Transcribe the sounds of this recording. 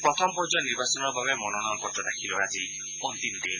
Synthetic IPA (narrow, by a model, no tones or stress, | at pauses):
pɾɔt̪ʰɔmpɔɾd͡ʒɔniɾbasɔnɔɾbaβemɔnɔnɔkɔtːɔd̪akʰilɔɾazi | pɔnt̪ind̪in